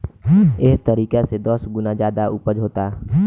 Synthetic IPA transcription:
ɪst̪əɾiːkesed̪əsɡʊnad͡ʒjaːd̪aʊpəd͡ʒɦoːt̪a

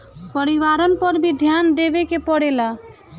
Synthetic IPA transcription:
pəɾiwaɾɔnpɔɾbʱid̪ʱjand̪ebekepɔɽela

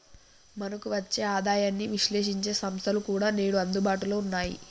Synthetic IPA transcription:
mɐnɐkuʋɐt͡ʃːe̞ːaːd̪aːjaːnːiʋiʃle̞ːʃ̬iɲt͡ʃe̞ːsɐmst̪ʰɐlukuːɽaːne̞ːɽuɐnd̪ubaːʈuloːunːaːjḭ

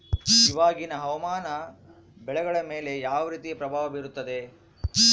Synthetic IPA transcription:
iʋaːɡinɐɦɐʋɐmaːnɐ | bɛɭɛɡɐɭɐmeːle̞jaːʋɐɾiːt̪ijɐpɾɐbʱaːʋɐbiɾut̪ːɐd̪e̞

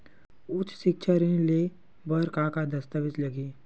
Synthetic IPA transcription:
ʊt͡ʃʃɪkʃʰaɾĩle | bəɾkakad̪ɐst̪əʋɪt͡ʃlɐɡiː

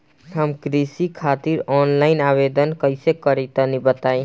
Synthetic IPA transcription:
ɦəmkɾisikʰat̪iɾɔnlaɪnaβed̪ənkəɪsekəɾit̪ənibət̪aj

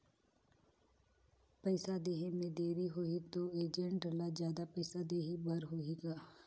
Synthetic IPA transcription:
pɛɪsad̪eːɦimẽd̪eːɾiɦoit̪oeːd͡ʒə̃ɳʈəlazjaːd̪apɛːsad̪eːɦibɐɾɦoiɡaː

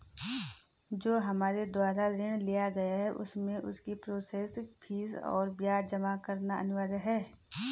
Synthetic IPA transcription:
d͡ʒoːɦɐmaːɾed̪waːɾaɾɪɽ̃lijaɡɐjaɦɛʔʊ̰smẽʔʊ̰skipɾoːseːsɪkpʰiːsɔ̰ːɾbjaːd͡ʒɐmakɐɾnaɐ̰nɪʋaːdəɦɛː

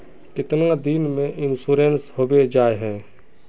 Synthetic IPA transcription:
kɪt̪nad̪inmẽʔɪnsuːɾenshoːbed͡ʒaːeɦɛ̃ː

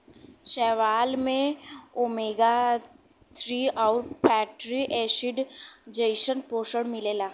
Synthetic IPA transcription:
ʃɛːʋaːlmẽomeːɡa | t̪ʰɾiːɔːɾpʰɛːʈɾiʔeːsɪɖd͡ʒəɪʃənpoːʃəɽmɪleːlaː

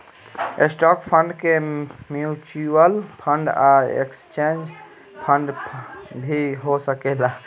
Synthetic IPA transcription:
esʈɔkpʰəɳɖkemjut͡ʃuəlpʰə̃ɳɖaḛkst͡ʃẽnd͡ʒ | pʰəɳɖ | bʱiɦosəkela

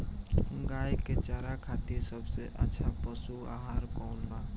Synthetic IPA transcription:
ɡaːjket͡ʃaːɾakʰaːt̪iɾsəbseʔə̰tːʃʰapəsua̰ːɦaːɾkɔːnbaː

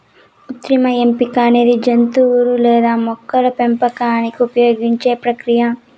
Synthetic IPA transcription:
ut̪ɾimɐempikaːneːd̪id͡ʒɐnt̪uɾulɛːd̪aːmɔkːɐɾɐpempɐkaːnikiupɐjoːɡiɲt͡ʃe̞ːpɾɐkɾijɐ

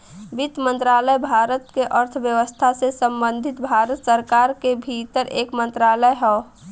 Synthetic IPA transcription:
ʋit̪mə̃nt̪ɾaləjbʱaɾət̪keʔəɾt̪ʰbjəʋəst̪ʰasesəmbə̃nd̪ʱit̪bʱaɾət̪səɾkaɾkebʱit̪əɾʔeːkmə̃nt̪ɾaləjɦɛo

